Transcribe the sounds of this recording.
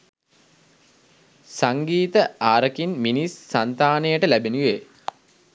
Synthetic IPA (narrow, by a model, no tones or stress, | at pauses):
saŋɡiːt̪əaːɾəkinminisːant̪aːnejəʈəlæbenuʋe